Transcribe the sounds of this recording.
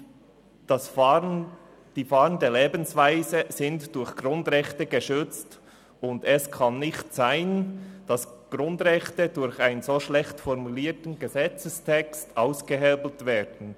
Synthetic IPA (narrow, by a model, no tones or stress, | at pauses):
s | d̥iːfɑːʁəndəleːbənsvaɪzəzɪntd̥ʊɾçɡ̥rʊndʁɛxtəɡəʃʏt͡st | ʊndɛskʰɑnːɪxtsaɪnd̥ɑsɡ̥ɾʊndʁɛxtədʊɾçaɪnənzoːʃlɛxtfɔɾmuliːtən̩ɡəzɛt͡səstʰɛkstʔaʊsɡ̥əɦɛːbl̩tvɛːdn̩